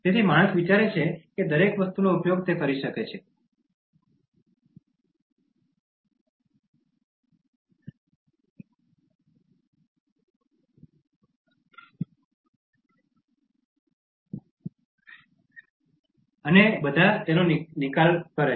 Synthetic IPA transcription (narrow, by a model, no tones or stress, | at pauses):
t̪et̪ʰimaɽ̃əsʋit͡ʃaɾet͡ʃʰeked̪əɾekʋəst̪unoupjoɡ̚t̪ekəɾiʃəket͡ʃʰe | ənebəd̪ʱat̪enonnikalkəɾe